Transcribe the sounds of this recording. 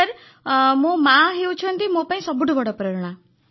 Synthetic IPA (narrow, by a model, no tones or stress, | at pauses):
əɾ | mũmãɦewt͡ʃʰɔnt̪imõpaĩsɔbuɽubɔɽɔpɾɔɾɽ̃a